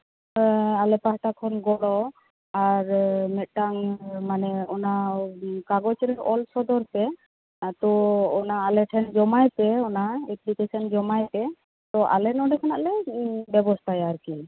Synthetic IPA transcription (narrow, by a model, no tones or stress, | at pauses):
alɛpasʈakʰɔnɡɔlɔ | aɾmɛt̪̚ˀʈaŋmanɛɔnakaɡɔt͡ʃɔɾɛɾɔ̰lsɔd̪ɔɾp̪ɛ | t̪ɔɔnaːlɛʈʰɛnd͡ʒɔmajpɛɔnaeplikesɔnd͡ʒɔmajpɛ | t̪ɔʔa̰lɛnɔɖɛkʰanaʔlɛbɛbɔst̪ʰajaɾkin